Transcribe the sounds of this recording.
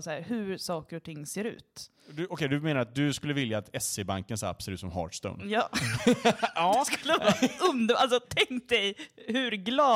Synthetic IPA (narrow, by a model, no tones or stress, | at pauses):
saæːɾhʉɾsɑːkəɾɔt̪ʰɪŋːseːɾʉ̟̰ːt̪ | d̪ʉʔɔkʰɛjd̪ɵmeːnaɾat̪̚d̪ɵskɵlːəvɪljaːt̪ɛsebaŋkənsa̰pːsɛɾʉ̟ːt̪sɔmɦɑ̰ːʈʂt̪ɵ̰nd̪jɑː | sklːɑːɵnd̪əʔals̬ɔt̪ʰɛŋkt̪̚d̪ɛjhʉɾɡlɑː